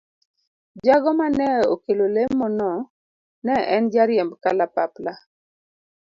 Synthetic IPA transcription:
d͡ʒaɡɔmanɛokelolemːɔnɔ | nɛɛnd͡ʒaɾjɛmbkalapapla

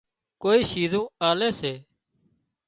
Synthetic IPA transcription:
koːiːʃiːzõːaːleːseː

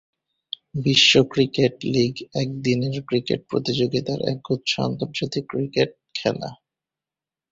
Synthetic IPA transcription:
biʃːokɾikeʈliɡɛk̚d̪ineɾkɾikḛʈ̚pɾo̰t̪id͡ʑoɡit̪aɾɛ̰k̚ɡut̪ːʃa̰nt̪oɾd͡ʑat̪ikːɾikeʈ̚kʰɛla̰

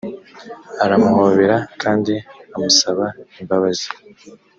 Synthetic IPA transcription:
aɾamuhoβe̞ɾakaːndiamusaβaimbaβazi̥

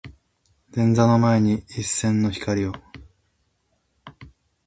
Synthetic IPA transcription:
d̪̥ẽ̞nd͡zano̞mae̞ɲ̟iːsːẽ̞nːo̞çi̥kaɾʲio

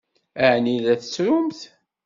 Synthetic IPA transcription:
æʕniðæθə̥t͡sːɾʊmθ

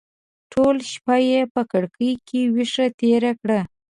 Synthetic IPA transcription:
ʈʰolʃpajepəkəɽkəjkʰewiʂat̪eɾakɽa

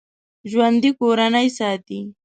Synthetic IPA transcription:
ʒwand̪ikoɾanəjsɑːt̪i

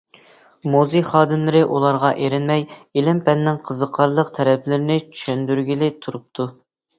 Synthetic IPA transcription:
moziχɑːd̪ɨmlɪɾɪʔulˠɑɾʁɑʔeɾɪnmɛjelɪmpʰɛnːɪŋqʰəzəqʰɑɾlˠəqt̪ʰɛɾɛplɪɾɪnɪt͡ʃʰy̥ʃɛnd̪yɾɡʲilɪt̪ʰuɾup̚t̪ʰu

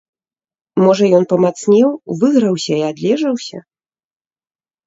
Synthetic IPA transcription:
mɔʐɐjɔnpɐmat̪snʲɛwvɨɣɾɐwsʲɐiad̪lʲɛʐɐwsʲɐ̰

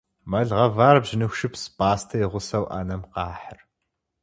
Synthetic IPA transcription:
mɐɮʁɐvaːrbʒɪnɨxʃɨpsbaːstʰɐjiʁʷʊsɐwʔa̰ːnɐmqɑːħər

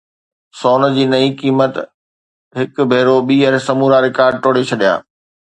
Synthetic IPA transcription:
soːn̆d͡ʑiːnɐĩkiːmət̪ | ɦɪkbʱeːɾoɓiːɛ̃ːsɐmuːɾaɾɪkaːɾɖ̚ʈoːɽet͡ɕʰɐɗija̰ː

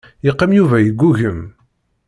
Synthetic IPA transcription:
jiqːæmjuvæjəɡʷːuʝəm

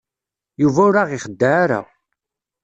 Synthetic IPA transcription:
juvæʊɾaʁɪχəd̪ːaːɾa̰

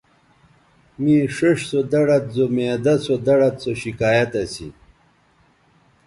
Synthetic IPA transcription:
miʂeʂsod̪ɐɽɐt̪̚zomeːd̪ɐsod̪ɐɽɐt̪soɕikaːjɐt̪ɐsḭ

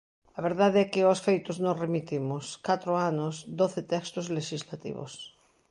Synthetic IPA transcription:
ɐβeɾðaðeɛkɪosfejt̪ʊznõŋremit̪imʊskat̪ɾoanʊsd̪oθɪt̪ɛkst̪ʊzleʃizlat̪ḭβo̰s

